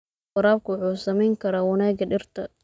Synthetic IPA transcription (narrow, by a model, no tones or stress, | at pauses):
qɑɾaːb̚kʰʊwʊħuːsɐmɛjŋkʰɐɾaːwɐnaːɡɐɖɪrt̪ʰɐ